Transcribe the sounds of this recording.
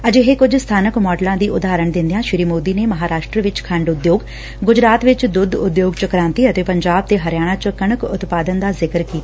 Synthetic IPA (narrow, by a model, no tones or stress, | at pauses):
əd͡ʒeɦeːkʊd͡ʒst̪ʰaːnəkmɔːɖlãːd̪iːʔʊd̪aːɾəɳd̪ɪ̃nd̪ejãːʃɪɾiːmoːd̪iːneːməɦaːɾaːʃʈɾəʋɪt͡ʃkʰə̃ɳɖʊd̪joːɡ | ɡʊd͡ʒɾaːt̪ʋɪt͡ʃd̪ʊd̪ʊd̪joːɡt͡ʃəkɾãːnt̪iːət̪eːpəɲd͡ʒaːb̚t̪eːɦəɾɪjaːɽ̃ãːt͡ʃəkəɳəkʊt̪paːd̪ənd̪aːzɪkəɾkiː